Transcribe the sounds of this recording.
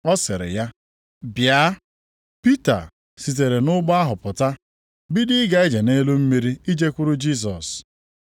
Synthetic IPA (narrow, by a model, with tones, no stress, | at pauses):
ɔ˦sɪ˨ɾɪ̰˨ja˦ | bja˦ | pi˦ta̰˨ | si˨t̬e˨ɾe˨nʊ˦ɡ͡ba˦a˦ɦʊ˨pʊ˨ta˦ | bi˦dɪ˦ɡa˨i˦d͡ʒe˨ne˦lu˦m̩˦mi˦ɾi˦i˦d͡ʒe˦kʷu˦ɾʊ˦d͡ʒi˦s̬ɔ̰˨s